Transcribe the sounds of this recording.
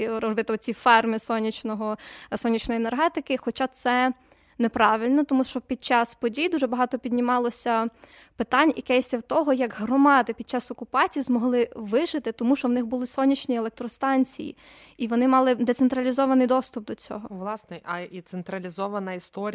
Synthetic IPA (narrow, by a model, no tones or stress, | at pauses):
ɾɔzbɪt̪ɪɔt͡sʲifɛrmɪsɔnʲːit͡ʃnɔɦɔsɔnʲit͡ʃnɔjienerɦɛt̪ɪkɪxɔt͡ʃɑt̪sɛ | nepɾɑʋɪlʲnɔt̪ɔmuʃt͡ʃɔpʲid̪̚t͡ʃɑspɔdʲijd̪uʒɛbɐɦɑt̪ɔpʲid̪ʲnʲɪmɑlˠɔsʲɐ | pɪt̪ɑnʲjɐkɛsʲɐwt̪ɔɦɔjɐɡɦɾɔmɑd̪ɪpʲid̪̚t͡ʃɑsɔkʊpɑt͡sʲijzmɔɦlˠɪʋɪʒɪt̪ɪt̪ɔmuʃt͡ʃɔwnɪxbʊlˠɪsɔnʲit͡ʃnʲielek̚t̪ɾɔst̪ɑnʲt͡sʲḭjḭ | iʋɔnɪmɑlˠɪd̪ɛt̪sent̪ɾɐlʲizɔʋɐnɪjd̪ɔst̪ʊp̚d̪ɔt͡sʲɔ̰ɦɔʋlˠɑsnɛʔɐit̪sent̪ɾɐlʲizɔʋɐnɐist̪ɔɾʲ